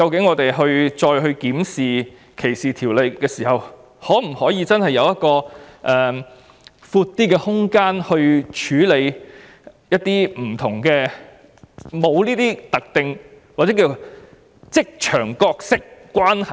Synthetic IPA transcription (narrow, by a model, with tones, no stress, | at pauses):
kɐ˧wkɪ˨˥ŋːɔː˨˧t̪e˨˩jɦɵ˧ɥt͡ʃɔː˧jɦɵ˧ɥkiː˨˥msiː˨ | kʰe˨˩jsiː˨t̪ʰiː˨˩wle˨˧jkɛː˧siː˨˩hɐ˨w | hɔː˨˥m̩˨˩hɔː˨˥jiː˨˧t͡sɐ˥nhɐ˨jːɐ˨˧wjɐ˥t̚kɔː˧ʔɛː˨˧ | fuː˧t̚t̪ːiː˥kɛː˧hʊ˥ŋkaː˥nhɵ˧ɥt͡ʃʰyː˨˥le˨˧j | jɐ˥t̪̚ːiː˥m̩˨˩t̪ʰʊ˨˩ŋkɛː˧ | mo˨˧wliː˥t̪iː˥t̪ɐ˨k̚t̪ɪ˨ŋ | waː˨˩ɛː˨˥ki˧˩jo˨˩ | t͡sɪ˥k̚t͡ʃʰœː˨˩ŋkɔː˧k̚sɪ˥k̚ːʷ | aː˥nhɐ˨